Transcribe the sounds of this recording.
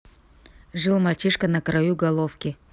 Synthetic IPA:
ʐɨlˠmɐlʲt͡ɕiʂkənɐkɾɐjuɡɐlˠofkʲɪ

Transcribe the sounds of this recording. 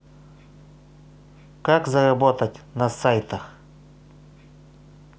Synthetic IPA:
kakzɐrɐbɔt̪ɐtʲnɐsajt̪ɐx

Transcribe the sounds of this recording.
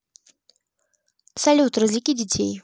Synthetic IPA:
salʲut̪ɾɨzlʲikʲidʲɪt͡sʲʰḛj

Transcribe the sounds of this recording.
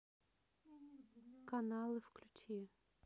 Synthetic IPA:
kɐnɑlˠɪwklʲʊt͡ʃʲi

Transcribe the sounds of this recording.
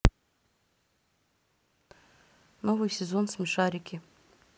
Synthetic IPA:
novɨjsʲezonsmʲiʂaɾʲikʲʰi

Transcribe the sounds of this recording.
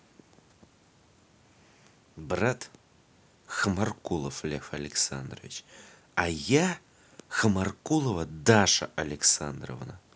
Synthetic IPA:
brat̪ | xɨmarkulˠəflʲefɐlʲɪksa̰nd̪rəvʲɪt͡ɕ | aja | xɨmarkulˠəvɐd̪aʂɐ̰ɐlʲɪksand̪ro̰vna

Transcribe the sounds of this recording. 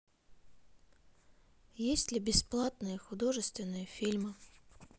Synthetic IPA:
jesʲtʲlʲɪbʲɪsplˠat̪nɨjəxʊd̪oʐɨst̪vʲɪnːɨjəfʲilʲmɨ

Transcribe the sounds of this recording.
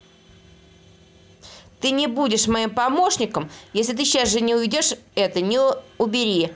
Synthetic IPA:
t̪ɨnʲɪbudʲɪʂmɐimpɐmo̞ʂnʲɪkəmjesʲlʲɪt̪ɨɕːasʐɨnʲɪʊvʲɪdʲo̞ʂɛt̪ənʲɪʊbʲɪɾʲi

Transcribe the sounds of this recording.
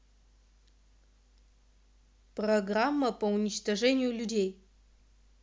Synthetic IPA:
proɡramːɐpɐunʲit͡ʃt̪ɐʐɛnʲɪjulʲudʲej

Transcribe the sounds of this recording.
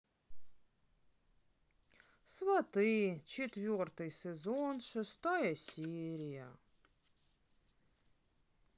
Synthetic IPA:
svɐt̪ɨt͡ʃʰet̪vʲort̪ɨjsʲɛzonʂɨst̪ajɐsʲeɾʲijɐ

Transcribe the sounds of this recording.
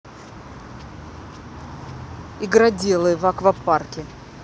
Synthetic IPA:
ɪɡɾadʲelˠɨvakvɐparkʲɪ

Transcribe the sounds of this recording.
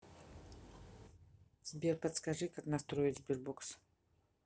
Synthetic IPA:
z̥bʲerpɐt̪skaʐɨkaknɐst̪ɾoɪt̪zbʲirbɔks

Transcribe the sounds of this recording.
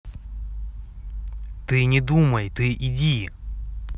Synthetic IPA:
t̪ɨnʲɪd̪uməjt̪ɨʔidʲi

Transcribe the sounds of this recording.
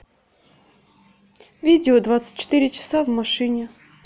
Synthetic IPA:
vʲid͡zʲɪod̪vat̪sɨ̥t̚ʲt͡ɕːɪ̥t̪ɨɾʲɪt͡ɕɪ̥savmaʂɨnʲɪ

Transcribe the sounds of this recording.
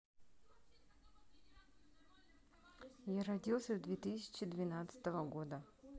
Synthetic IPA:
jaɾɐdʲilˠsʲəvd̪vʲet̪ɨsʲɪ̥t͡ɕɪd̪vʲɪnat̪sɨ̥t̪əvəɡod̪ə

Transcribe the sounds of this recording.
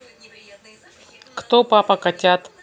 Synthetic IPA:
kt̪opapɐkatʲat̪

